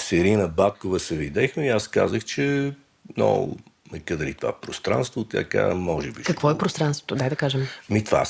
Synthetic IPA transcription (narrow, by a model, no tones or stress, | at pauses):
sɛɾinəbat̪kovəsɛvid̪ɛxmɛiaska̰zəxt͡ʃɛ | nɔ̰nɐkəd̪əɾit̪ova̰ɛpɾost̪ɾa̰nst̪vot̪ʲɐ̰ka̰mɔʒɛbiʃkɐkvɔɛpɾost̪ɾanst̪vot̪od̪ajd̪ɐkaʒɛmmit̪va̰